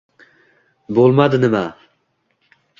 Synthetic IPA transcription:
bolˠmɑd̪ɨnɪmæ

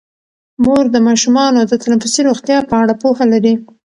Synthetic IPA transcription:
moɾd̪əmɑʃumɑnod̪ət̪alanfisiɾoɣt̪jɑpəaɽapohalaɾi

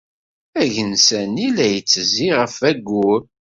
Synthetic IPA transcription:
æʝənsænilæjət͡sːziʁəfæɡːuɾ

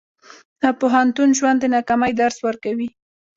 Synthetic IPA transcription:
əpʊɦant̪unʒwand̪ːənakamajd̪aɾswəɾkawi

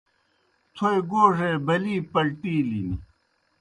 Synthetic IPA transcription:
t̪ʰoeɡoːʂebɐliːpɐlʈiːlini

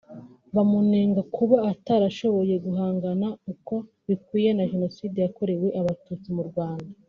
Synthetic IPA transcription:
βamuneːŋɡakuβaːtaːɾaʃo̞βo̞je̞ɡuɦaːŋɡanauko̞ | βikwiːje̞naʒe̞no̞siːde̞jako̞ɾe̞we̞ʔaβatut͡simuɾɡwaːnda

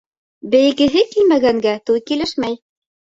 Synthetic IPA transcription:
bɘ̆jɘ̆ɡɘ̆ɦɘkilmæɡæŋɡæt̪ʉlkilɘʃmæj

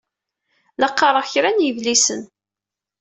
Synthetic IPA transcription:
lɑqːɑɾˤəʁçɾænjəvlisən

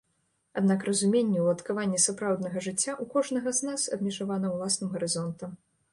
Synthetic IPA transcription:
ad̪nakrɐzumʲenʲːɛwlˠɐt̪kavanʲːisapɾawd̪nɐɣɐʐɨt͡sʲːaʔukɔʐnɐɣɐznasɐ̰bmʲɛʐavanɐwlˠasnɨmɣɐɾɨzɔnt̪ɐm

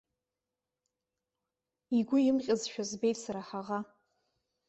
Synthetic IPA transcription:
iɡʷʊjɪmqʲʼazʃᶣazbe̞jtʼsaɾaħaʁa

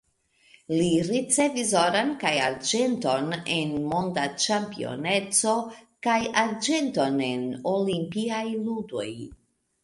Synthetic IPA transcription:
liɾit͡se̞visoɾankaja̰ɾd͡ʒe̞nto̞nenmo̞ndat͡ʃampio̞̰ne̞t͡so̞kajaɾd͡ʒe̞nto̞ne̞nolimpiajludo̞̰j

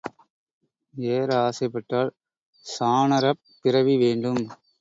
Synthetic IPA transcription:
eːɾaːsɐɪpːɐʈːaːɭ | saːnɐɾɐpːɪɾɐʋiʋeːɳɖɯm

